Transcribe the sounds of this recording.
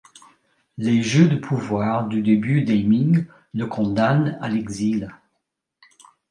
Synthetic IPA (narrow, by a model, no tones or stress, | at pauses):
leʒød̪əpʰuvwaːʁd̪yd̪ebyd̪ɛjmĩŋ | ləkʰɔ̃d̪ana̰lɛɡzil